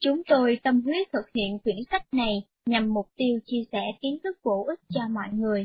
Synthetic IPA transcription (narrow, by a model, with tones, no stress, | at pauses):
t͡ɕʊ˨˦ŋ͡mt̪o˧jt̪ə˧mkwi˨˦˥ət̚t̪ʰɨ˨˩k̚hḭ˧˨ənkwi˧˩ənsa˦˥jk̟̚na˨˩j | ɲa˨˩mːʊ˨˩k͡p̚t̪i˧əwt͡ɕi˧əsɛ˧˩t̪i˨˦ənt̪ɨ˦˥k̚ɓo˧˩ʔï˦˥k̟̚t͡ɕɔ˧mɔ̰˧˨jŋɨ˨˩əj